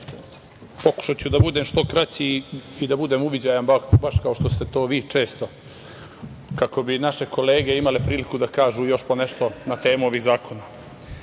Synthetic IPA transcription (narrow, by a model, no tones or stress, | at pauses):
po̞ku̥ʃat͡ɕud̪abud̪emʃt̪o̞kɾat͡ɕiid̪abud̪eːmuʋid͡ʑaːjanbabaʃkao̞ʃt̪o̞st̪e̞t̪o̞ːʋiːt͡ʂe̞ːst̪o̞ | kako̞binaʃe̞ko̞le̞ːɡe̞imalepɾiːlikud̪akaːʒuːjo̞ʃpo̞neʃt̪o̞nat̪e̞ːmoʋizaːko̞na